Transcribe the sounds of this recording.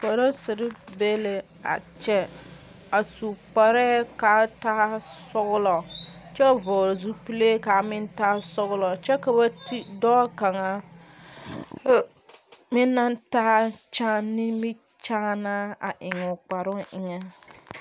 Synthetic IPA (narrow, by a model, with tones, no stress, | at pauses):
po˨ɾo˦sɪ˨ɾɪ˦be˦le˨ | a̰˨t͡ʃɛ˦ | a˨su˨k͡pa˨ɾɛ˦kaː˨˦taː˦sɔ˦ɣʊ˦lɔ˨t͡ʃɛ˦˨vɔ˨zu˦pi˦le˦ka˨mɪ˦ntaː˦sɔ˦ɣlɔ˨t͡ʃɛ˦ka˨ba˦ti˦dɔː˦ka˨ŋa˨˦ | mɪ˦nːa˦ntaː˦t͡ʃa˦nɪ˦mɪ˦ | t͡ʃaː˦na˦a̰˨ʔɪ˨ŋɔ˨k͡pa˨ɾʊ˦ʔɪ˨ŋɛ˦